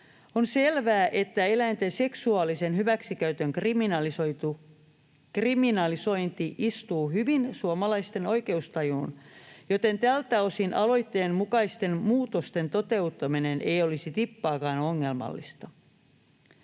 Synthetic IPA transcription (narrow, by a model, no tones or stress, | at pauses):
onselʋæːʔe̞t̪ːæelæint̪ense̞ksuɑlise̞nɦhyʋæksikæyt̪øŋkriminɑlot̪u | kriminɑliso̞int̪iʔist̪uːhyʋinsuomɑlɑist̪e̞no̞jke̞ust̪ɑjuːnjot̪e̞nt̪ælt̪æo̞sinʔɑlo̞it̪ːeːmmukɑist̪e̞nmuːt̪ost̪e̞nt̪ot̪e̞ut̪ːɑminenʔejolisit̪ipːɑːkɑːnoŋːe̞lmɑ̰lːḭst̪ɑ